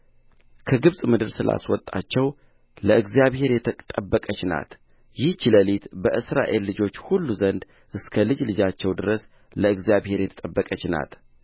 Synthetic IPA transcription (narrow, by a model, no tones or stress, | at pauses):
kʰəɡɨβsʼmɨd̪ɨɾsɨla̰swɔt̪ʼːa̰t͡ʃːɛw | ləɨɡzjaβhe̞ɾjɛt̪ʰət̪ʼəbːəkʼət͡ʃna̰t̪ | jɪht͡ʃiləlit̪bəʔɨsɾa̰ʔe̞lːɨd͡ʒo̞t͡ʃːhulːuzənd̪ | ʔɨskʰəlɨd͡ʒlɨd͡ʒat͡ʃːɛwd̪ɨɾəs | ləɨɡzijaβhe̞ɾjɛt̪ʰə̥t̪ʼəbːəkʼət͡ʃna̰t̪